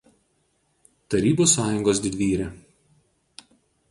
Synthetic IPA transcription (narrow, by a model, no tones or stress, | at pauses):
t̪ɐɾʲiːbuːsɑːjʊŋɡoːsd̪ʲɪd̪ʲʋʲiːɾʲɛ